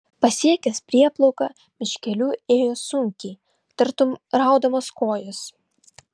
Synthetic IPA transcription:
pɐsʲiɛkʲɛspʲɾʲiɛplˠɔʊkɑ | mʲɪʃʲkʲɛlʲuːeːjoːsʊŋʲkʲiː | t̪ɐɾt̪ʊmɾɑˑʊd̪ɐmoskoːjʊs

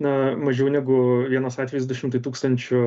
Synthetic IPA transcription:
nɐmɐʒʲɛʊnʲɛɡʊʋʲiɛnoːsɑːt̪ʲʋʲɛjosd̪ʊʃʲɪmt̪ɐɪt̪uːkst̪ɐnʲt͡ʃʲʊ

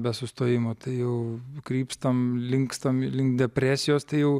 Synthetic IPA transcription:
bʲɛsʊst̪oːjɪmoːt̪ɐɪjɛʊkɾʲiːpst̪ɐmlʲɪŋkst̪ɐmlʲɪŋkd̪ʲɛpʲɾʲæːsʲɪjoːst̪ɐɪjɛʊ

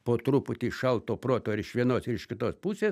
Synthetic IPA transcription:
poːt̪ɾupʊt̪ʲiːʃɐlˠt̪oːpɾoːt̪oːɪɾɪʃʋʲiɛnoːsɪɾɪʃʲkʲɪt̪oːspusʲeːs

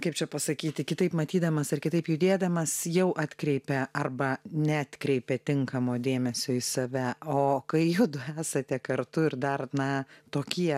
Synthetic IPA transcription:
kɐɪpt͡ʃʲɛpɐsɐkʲiːt̪ʲɪkʲɪt̪ɐɪpmɐt̪ʲiːd̪ɐmɐsɐrkʲɪt̪ɐɪpjʊd̪ʲeːd̪ɐmɐsjɛʊʔɑːt̪ʲkɾʲɛɪpʲɛɐrbɐnʲɛːt̪ʲkɾʲɛɪpʲɛt̪ʲɪŋkɐmoːd̪ʲeːmʲɛsʲoːɪsɐʋʲæoːkɐɪjʊd̪ʊæːsɐt̪ʲɛkɐrt̪ʊɪɾd̪ɐrnɐt̪oːkʲiɛ

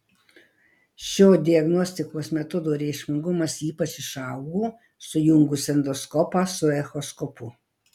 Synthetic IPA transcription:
ʃʲoːd̪ʲɪɐɡnɔsʲt̪ʲɪkoːsmʲɛt̪ʊd̪oːɾʲɛɪʃʲmʲɪŋɡʊmɐsiːpɐt͡ʃɪʃɐʊɡoː | sʊjʊŋɡusʲɛnd̪ɔskɔpɑːsʊɛxɔskɔpʊ

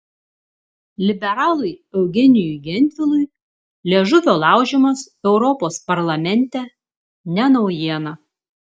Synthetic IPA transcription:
lʲɪbʲɛɾɑːlˠʊɪɛʊɡʲɛnʲɪjʊɡʲɛnʲt̪ʲʋʲɪlˠʊɪ | lʲeɛʒʊʋʲoːlˠɑˑʊʒʲɛmɐs | ɛʊɾɔpoːspɐɾlˠɐmʲɛnʲt̪ʲɛ | nʲɛnɒʊjiɛnɐ

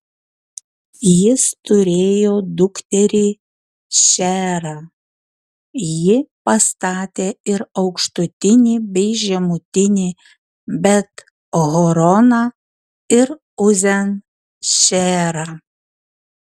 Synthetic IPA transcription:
jɪst̪ʊɾʲeːjoːd̪ʊkt̪ʲɛɾʲiː | ʃʲæːɾɑː | jɪpɐst̪ɑːt̪ʲeːɪɾɒʊkʃt̪ʊt̪ʲɪnʲɪbʲɛɪʒʲɛmʊt̪ʲɪnʲɪ | bʲɛt̪ | ɣɔɾɔnɑː | ɪɾ | ʊzʲɛn | ʃʲæːɾɑ

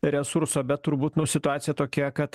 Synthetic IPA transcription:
ɾʲɛsuɾsoːbʲɛt̪t̪ːʊɾbuːt̪nʊsʲɪt̪ʊɑːt̪sʲɪjɛt̪oːkʲeɛkɐt̪

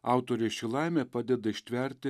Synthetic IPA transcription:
ɑˑʊt̪oːɾʲeʃʲilˠɑɪmʲeːpɑd̪ʲɛd̪ɐɪiʃʲt̪ʲʋʲɛɾʲt̪ʲɪ

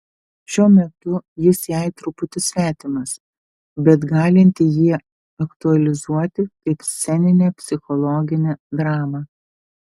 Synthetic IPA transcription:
ʃʲuɔmʲɛt̪ʊjɪsjɛˑɪt̪ɾʊpʊt̪ʲɪsʲʋʲæːt̪ʲɪmɐs | bʲɛt̪ɡɑːlʲɪnʲt̪ʲɪjiɛ | ɐkt̪ʊɐlʲɪzuɔt̪ʲɪkɐɪpsʲɛnʲɪnʲeːpʲsʲɪxɔlˠɔːɡʲɪnʲed̪ɾɑːmɑː

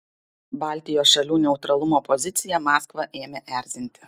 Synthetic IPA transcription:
bɑːˑlʲˑt̪ʲɪjoːsʃɐlʲuːnʲɛʊt̪ɾɐlˠʊmoːpɔzʲɪt̪sʲɪjɛmɑːskʋɐʔeːmʲɛʔæˑɾʲzʲɪnʲt̪ʲɪ̥

